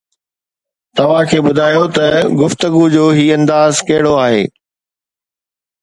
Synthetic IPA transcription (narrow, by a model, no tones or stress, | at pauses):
t̪ɐʋ̤ãkʰeːɓʊd̪ʱaːjot̪ɐɡʊft̪əɡud͡ʑoːɦiːɐ̃nd̪aːzkɐɦɪɽoaːɦḛː